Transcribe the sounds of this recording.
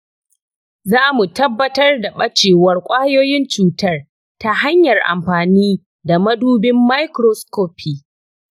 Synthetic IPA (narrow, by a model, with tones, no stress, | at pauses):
zaː˦mu˨tɐ˦bːɐ˦tɐ˦rda˨ɓɐ˦t͡ʃeː˨wɐ˦rkʷʼaː˦joː˦jɪ˦nt͡ʃuː˨tɐ˦r | ta˦ha˦ɲjɐ˨rʔa̰˨mɸaː˨niː˦ | da˨mɐ˦duː˦bɪ˦mːa˦jkɾo˦skoː˦pʰi˨